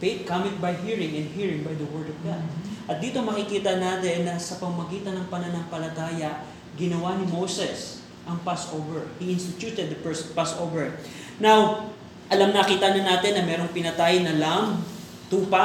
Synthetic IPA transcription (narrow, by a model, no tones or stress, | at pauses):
fejt̪̚kamɪt̪̚bɐjɦiɹɪ̃ŋɛnd̪hiːɹɪ̃ŋbɐjd̪ɐwɛɹd̪ɔvɡa̰d̪̚ʔɐt̪̚d̪iːt̪omɐkɪkiːt̪ɐnaːt̪ɛnːɐsɐpɐmmɐɡiːt̪ɐnɐŋpɐnɐnɐŋpɐlɐt̪aːjɐʔ | ɡɪnɐwanɪmowsɛs | ʔɐŋpasʔowvɛɹhiʔɪnst̪ɪt̪uːt̪ɛd̪̚ːɐpɛsnpasʔowvɛɹ | naw | ʔɐlamnɐkiːt̪anɐnːaːt̪ɪnːɐmɛːɾo̞ŋpɪnɐt̪aːjɪnɐlam | t̪uːpa